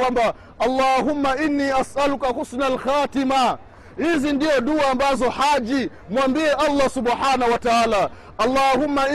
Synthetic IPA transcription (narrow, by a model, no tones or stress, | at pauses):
wamba | alˤːaːɦumːaʔinːiːʔasʔalukahusnalxaːtima | hizindiɔɗuaambazɔhad͡ʒi | mwambiɛʔalˤːasubħaːnahuwataaːla | ʔalːahumːa